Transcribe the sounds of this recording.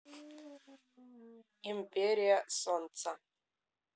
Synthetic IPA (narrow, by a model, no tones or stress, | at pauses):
impʰeɾijasont͡sʰa